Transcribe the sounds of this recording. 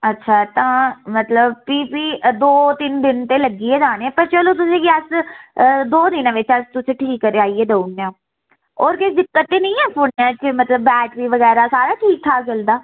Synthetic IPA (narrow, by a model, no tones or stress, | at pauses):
ətːʃʰaːt̪ãːmət̪ləbpiːpiːd̪oːt̪ɪnd̪ɪnt̪eːləɡiːɛːd͡ʒaːneɛ̃ːpəɾt͡ʃəloːt̪ʊsẽːkiəs | d̪oːd̪ɪnãːʋɪt͡ʃəst̪ʊsẽːʈʰiːkːəɾeːaːiːeːd̪ouneãː | ɔːɾkɪd̪ɪkːət̪ːeːnə̃ĩːɛːpʰʊɳːãːt͡ʃɪmət̪ləbːɛːʈʋiːʋəɡɛːɾaːsaːɾaːʈʰiːk̚t̪ʰaːt͡ʃəld̪aː